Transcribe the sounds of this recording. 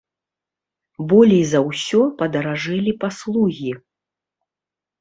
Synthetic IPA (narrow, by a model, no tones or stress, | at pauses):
bɔlʲɛjzɐwsʲɔpɐd̪ɐɾaʐɛlʲipaslˠuɣʲi